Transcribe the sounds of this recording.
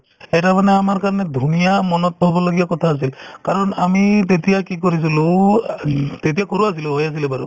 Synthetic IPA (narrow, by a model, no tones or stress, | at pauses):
ɛtamanɛamaɹkaɹɔnɛd̪ʱunijamɔnɔt̪̚bʱɔbɔloɡijakɔt̪ʰaːs̬ilkaɹɔnamit̪̬et̪ijakikoɹis̬ulu | t̪et̬ijakɔɹuas̬iluɦɔjas̬ilɛbaɾṵ